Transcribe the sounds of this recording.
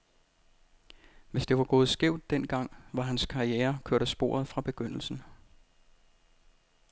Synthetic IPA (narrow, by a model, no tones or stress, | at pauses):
ʋe̝sd̥e̝ʋɑ̈ɡ̥oːð̞̩ˠsɡ̥eʊ̰d̥ːen̰ɡ̥ɑ̈ŋ̰ʋɑ̈ɦænskʰɑ̈ʁieːɐkʰøɐ̰ɾ̥əsb̥o̝̰ːɐð̞̩ˠfʁɑ̈b̥e̝ɡ̥øn̰l̩sn̩